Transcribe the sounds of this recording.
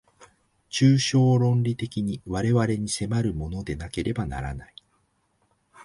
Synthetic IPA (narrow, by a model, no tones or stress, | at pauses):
t͡ɕɨːɕo̞ːɾõ̞nɾʲit̪e̞kʲiɲ̟iβaɾe̞βaɾe̞ɲ̟ise̞maɾɯ̟mo̞no̞d̪e̞nake̞ɾʔe̞bana̰ɾa̰nai